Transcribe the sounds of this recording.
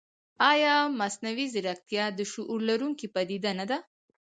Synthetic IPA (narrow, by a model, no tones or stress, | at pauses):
ɑjɑmasnawizɪɾak̚t̪jɑd̪əʃuʔuɾlaɾuŋkipad̪id̪anad̪a